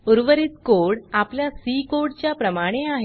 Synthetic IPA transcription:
uɾʋəɾit̪koɽapljasikoɽt͡ɕjapɾəmaɽ̃eaɦe

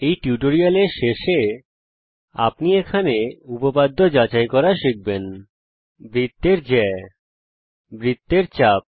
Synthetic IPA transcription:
ejʈjuʈoɾialeɾʃeʃe | a̰pniekʰaneupopad̪ʱːod͡ʑat͡ɕajkɔɾaʃik̚ben | bɾit̪ːeɾd͡ʑɛe | bɾit̪ːeɾt͡ɕap̚

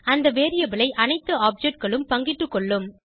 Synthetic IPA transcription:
ɐnd̪ɐʋeːɾɪjɐbɪɭɐɪʔɐnɐɪt̪ːɯaːp̚d͡ʒɛʈ̚kɐɭɯmpɐŋɡɪʈːɯkːɔɭːɯm

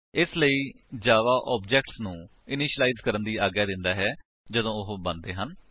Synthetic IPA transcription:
ɪsləiː | d͡ʒaːʋaːʔɔːb̚d͡ʒɛːkʈsnũː | ɪnɪʃəlaːiːzkəɾənd̪iːaːɡjaːd̪ɪnd̪aːɦɛː | d͡ʒəd̪õːʊɦbənd̪eːɦən

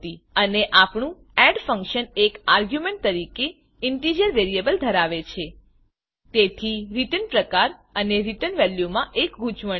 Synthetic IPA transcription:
t̪iəneʔapɳũ | ɛɖfəŋkʃənekaɾɡjumeɳʈ̚t̪əɾike | ɪɳʈid͡ʒəɾʋeɾiebəld̪ʱəɾaʋet͡ʃʰe | t̪et̪ʰiɾiʈənpɾəkaɾəneɾiʈənʋɛljumãʔekɡʱut͡ʃʋə

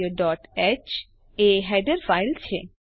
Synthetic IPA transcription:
oɖɔʈɛt͡ʃ | eɦɛɖeɾfajlt͡ɕʰe

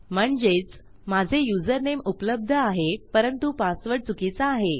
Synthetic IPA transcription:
m̤əɳd͡zet͡s | mad͡zʱejud͡zəɾnemupləb̚d̪ʱəaɦepəɾənt̪upasʋəɽt͡sukit͡saːɦe

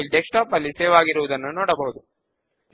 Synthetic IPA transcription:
ilɖ̪eksʈaːpɐlːiseːʋaːɡiɾuʋud̪ɐnːunɔːɽɐbɐɦud̪u

